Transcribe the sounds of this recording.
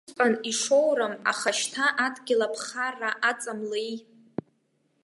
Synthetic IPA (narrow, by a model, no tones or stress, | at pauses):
qʼaniʂowɾɨma̰χaʃtʰaʔadɡʲɪlapʰχaraʔat͡sʼamlej